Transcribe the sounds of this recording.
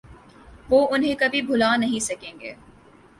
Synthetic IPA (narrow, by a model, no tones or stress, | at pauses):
ʋoːʊnɦẽkɐbʱibʱʊlaːnɐɦĩsɐkẽːŋɡḛː